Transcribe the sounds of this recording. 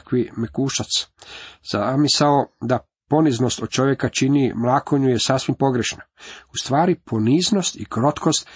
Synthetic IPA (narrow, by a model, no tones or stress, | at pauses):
kʋimekuːʃat̪sz̥amisaod̪a | po̞nizno̞st̪od̪̚t͡ʃo̞ʋje̞kat͡ʃinimlˠaːkoɲujesasʋimpo̞ɡɾeʃnaust̪ʋaːɾipʰo̞niːzno̞st̪ikɾo̞t̪kʰost̪